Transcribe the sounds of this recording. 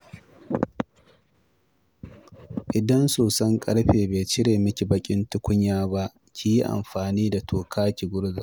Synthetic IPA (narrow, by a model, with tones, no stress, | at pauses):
ʔɪ˨dɐ˦nsoː˨sɐ˦ŋkʼɐ˦ɽɸeː˨beː˨t͡ʃɪ˦ɽeː˨mɪ˦kʲi˨bɐ˦kʲʼɪ˦ntʊ˦kʷʊ˦ɲːjaː˦ba˦ʔ | kʲʰi˦ji˦ʔa̰˨mɸaː˨niː˦da˨tʰoː˨kʰaː˦kʲi˨ɡʷʊ˦ɽza˨